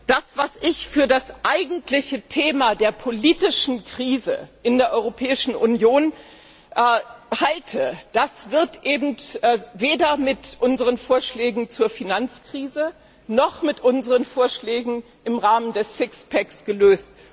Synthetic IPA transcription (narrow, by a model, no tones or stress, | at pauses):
d̥asv̥asʔɪçfyːɐdasʔaɪɡŋ̩tlɪçətʰeːmadeːɐpʰoliːtɪʃn̩kʁ̥iːzə̰ʔɪndeːɐʔɔʏʁopʰɛːɪʃn̩ʔʊnjoːn | ʔhaltʰəd̥asv̥ɪɐtʔeːbm̩tːveːdɐmɪtʔʊnzəʁənfoːɐʃlɛːɡŋ̩t͡suːɐfinant͡skʁ̥iːzə | nɔχmɪtʔʊnzəʁənfoːɐʃlɛːɡŋ̩ | ʔɪmʁaːməndɛsɪkspʰɛksɡ̥əløːst